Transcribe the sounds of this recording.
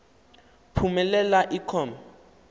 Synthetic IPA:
pʰumɛlɛlaʔikʰɔːma

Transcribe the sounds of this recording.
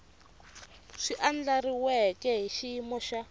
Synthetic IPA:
ʂiʔand͡ɮariwɛkɛɦiʃimɔʃa

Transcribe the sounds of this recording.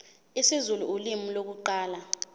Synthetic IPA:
isizuluulimilok̬uǃaːla

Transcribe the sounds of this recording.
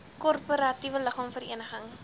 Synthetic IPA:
kɔrpoɾɐtivələχɑːmfərḭənəχəŋ

